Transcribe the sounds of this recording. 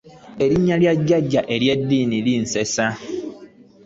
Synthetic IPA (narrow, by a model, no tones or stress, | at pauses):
e̞ɾiɲːaljaɟːaɟːaʔe̞lje̞dːiːniliːnse̞sa